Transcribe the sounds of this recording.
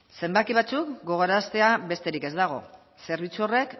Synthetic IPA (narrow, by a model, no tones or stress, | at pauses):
se̞mbakiβ̞at͡sukɡo̞ɣ̞oɾast̪e̞aβe̞st̪e̞ɾike̞zd̪aɣ̞o̞̰ | se̞ɾβ̞it͡suo̞re̞k